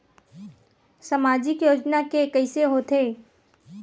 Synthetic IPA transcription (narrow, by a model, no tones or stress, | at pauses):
səmaːd͡ʒɪkjoːd͡ʒnakekəɪseɦoːt̪eː